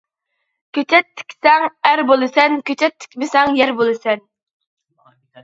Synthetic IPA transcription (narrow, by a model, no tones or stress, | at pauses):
kʲʰøt͡ʃʰɛt̪ʰːɪ̥kʲsɛŋæɾbolˠɨsɛnkʲøt͡ʃʰɛt̪ʰːɪ̥kʲmɪsɛŋjɛɾbolˠɨsɛn